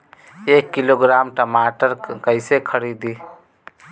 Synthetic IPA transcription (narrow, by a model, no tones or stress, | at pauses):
ekːiloɡɾamʈəmaʈəɾkəɪsekʰəɾid̪i